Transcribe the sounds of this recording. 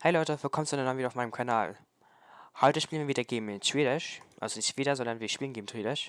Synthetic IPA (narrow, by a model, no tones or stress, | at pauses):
haɪlɔʏtəfɔkʰɔmstd̥unɛnmaːviːɾɐaʊfmaɪnəmkʰana̰ːl | hɔʏtəɪʃpiːlmiɐviːdɐɡeːm̩ʃv̥eːɾɪʃʔa̰lzonɪçtʃv̥iːdɐzɔndɐnviɐɪçʃpiːlnɡeːɡm̩ʃv̥eːdɪʃ